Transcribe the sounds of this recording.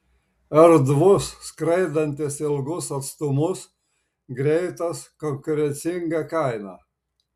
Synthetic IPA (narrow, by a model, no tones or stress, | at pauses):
ɛɾd̪ʋʊsːkɾɐɪd̪ɐnʲt̪ʲɪsɪlˠɡʊsɐt̪st̪ʊmʊs | ɡɾʲɛɪt̪ɐskɔŋkʊɾʲɛnʲsʲɪŋɡɐkɐɪnɑ